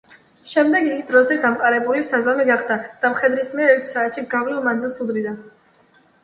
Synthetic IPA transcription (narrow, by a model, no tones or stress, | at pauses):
ʃɛmd̪ɛɡiɡd̪ɾɔzɛd̪amqʼaɾɛbulisazɔmiɡaχd̪ad̪̥amχɛd̪ɾismiɛɾɛɾt̪ʰi̥saːt̪ʃiɡavlilˠmand̪zilˠsud̪ɾid̪an